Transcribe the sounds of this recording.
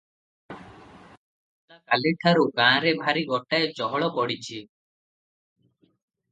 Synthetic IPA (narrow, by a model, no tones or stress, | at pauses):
takaleʈʰaɾukãːɾebʱaɾiɡɔʈaed͡ʒɔɦɔɭɔpɔɽit͡ʃʰi